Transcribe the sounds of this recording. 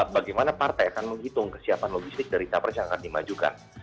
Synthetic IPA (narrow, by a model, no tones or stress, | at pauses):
baɡajmanapart̪ajakanməŋɡit̪ʊŋkə̥siapanloɡist̪ɪk̚daɾit̪apərt͡ʃaŋakandima̰d͡ʒuka̰n